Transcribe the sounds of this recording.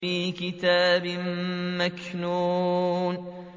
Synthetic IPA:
iːkɪt̪aːbɪmmaknuːn

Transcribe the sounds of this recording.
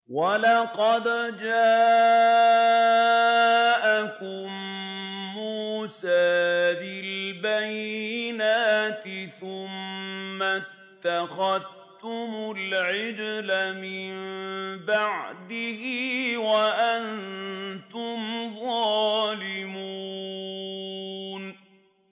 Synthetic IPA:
walɑqɑd̪d͡ʒaː | ʔakʊmː | uːsaːbɪlbajɪnaːt̪ɪθʊmːa | t̪ːaxað | tt̪ʊmʊlʕɪd͡ʒlamɪmbaʕd̪ɪhiːwaʔan | t̪ʊmðɑːlɪmuː | n

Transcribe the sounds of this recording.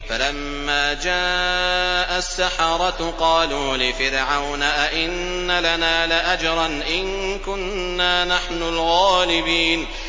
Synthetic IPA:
falamːaːd͡ʒaː | ʔasːaħɑɾˤɑt̪qɑːluːlɪfɪɾʕawnaʔaʔɪnː | alanaːlɪʔad͡ʒɾˤɑnʔɪn | kʊnː | aːnaħnʊlɣaːlɪbiːn

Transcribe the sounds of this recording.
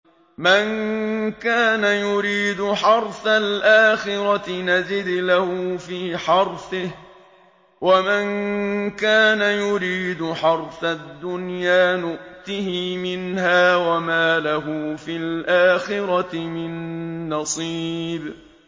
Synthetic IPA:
mankaːnajʊɾiːd̪ʊħɑɾˤθalʔaːxɪɾat̪ɪnazɪd̪lahʊfiːħɑɾˤfɪh | wamankaːnajʊɾiːd̪ʊħɑɾˤθad̪ːʊnjaːnʊʔt̪ɪhimɪnhaːwamaːlaɦʊfilʔaːxɪɾɑt̪ɪmɪnːɑsˤiːb

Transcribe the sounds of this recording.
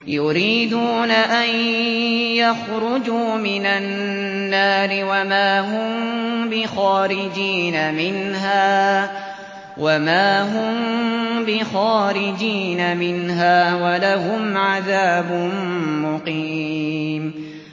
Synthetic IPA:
jʊɾiːd̪uːnaʔan | jaxɾʊd͡ʒuːmɪnan | nːaːɾɪwamaːɦʊmbɪxaːɾɪd͡ʒiːnamɪnɦaː | wamaːɦʊmbɪxaːɾɪd͡ʒiːnamɪnɦaːwalahʊmʕaðaːbʊmmʊqiːm

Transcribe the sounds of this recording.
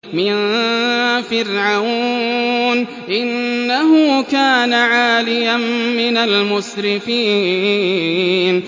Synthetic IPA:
mɪn | fɪrʕaw | n | ʔɪnːaɦʊkaːnaʕaːlɪjanmɪnalmʊsɾɪfiː | n

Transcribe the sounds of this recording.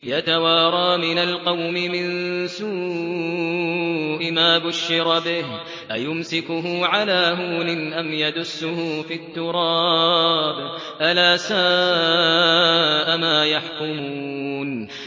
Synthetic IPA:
jat̪awɑːɾˤɑːmɪnalqɑwmɪmɪnsuː | ʔɪmaːbʊʃːɪɾˤbɪh | ʔajʊmsɪkʊɦʊʕalaːhuːlɪnʔamjad̪ʊsːʊhʊːfit̪ːʊɾˤɑːb | ʔalaːsa | ʔamaːjaħkʊmun

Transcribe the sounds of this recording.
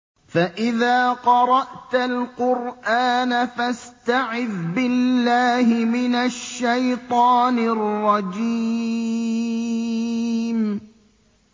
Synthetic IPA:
faʔɪðaːqɑɾˤɑʔt̪alqʊɾʔaːnafast̪aʕɪðbɪlːaːhɪmɪnaʃːajt̪ˤɑːnɪrˤːɑd͡ʒi | m

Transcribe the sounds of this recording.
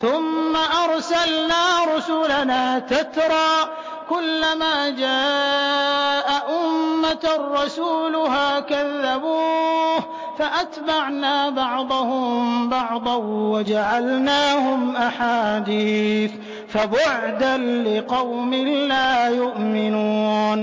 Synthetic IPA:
θʊmːaʔɑɾˤsalnaːɾˤʊsʊlanaːt̪at̪ɾˤɑː | kʊlːamaːd͡ʒaː | ʔaʔʊmːarˤːɑsuːlʊɦaːkaðːabuːh | faʔat̪baʕnaːbɑʕd̪ˤʊhʊmmbɑʕd̪ˤɑwad͡ʒaʕalnaːhʊmʔaħaːd̪iːθ | fabʊʕd̪anlɪqɑwmɪlaːjʊʔmɪnuːn

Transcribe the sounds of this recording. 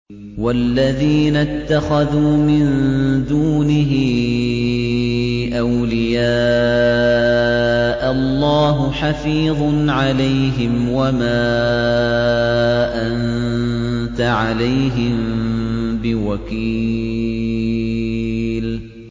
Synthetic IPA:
walːaðiːnat̪ːaxaðuːmɪnd̪uːnɪɦɪ | ʔawlɪjaː | ʔalˤːɑːɦʊħafiːðˤnʕalajɦɪmwamaː | ʔan | t̪aʕalajɦɪm | bɪwakiː | l

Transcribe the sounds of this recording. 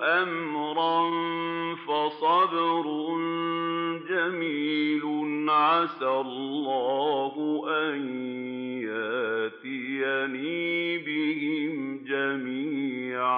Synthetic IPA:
ʔamɾˤɑnfasˤɑdɪɾʊn | d͡ʒamiːlʊnʕasalːɑːhʊʔanjjaʔt̪ɪjaniːbɪhɪmd͡ʒamiːʕ

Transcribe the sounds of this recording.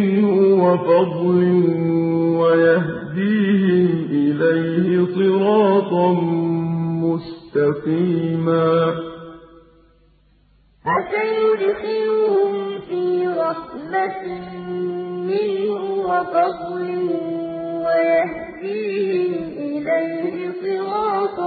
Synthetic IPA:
hʊwɑfɑd̪ˤlɪhwajahd̪iːɦɪmʔɪlajhɪsˤɨɾɑːt̪ˤɑm | mʊst̪aqiːmaː | ʔasajʊd̪xɪnʊhʊmfiːɾˤɑħmat̪ | mɪnhwɑqɑd̪ˤlɪhwajah | d̪iːhɪmʔɪlajhɪsˤɨɾɑːt̪ˤ

